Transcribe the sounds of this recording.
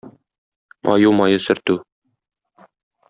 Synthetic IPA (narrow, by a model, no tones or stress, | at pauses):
mʔɒ̰jumɒjɤsɵ̆ɾt̪ʉ